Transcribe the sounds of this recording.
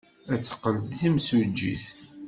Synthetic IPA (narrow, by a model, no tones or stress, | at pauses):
æt͡sːə̥qːəldθimsud͡ʒːḭθ